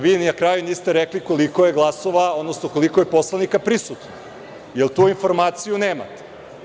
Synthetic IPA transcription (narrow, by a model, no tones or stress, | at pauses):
ʋiːnnakɾaːjuniːst̪eɾekliko̞liko̞jeɡlˠaso̞ʋao̞d̪nosnoko̞likoje̞po̞slˠanikapɾisut̪no | jelt̪uːinfo̞ɾmaːt̪sijuneːma̰t̪e̥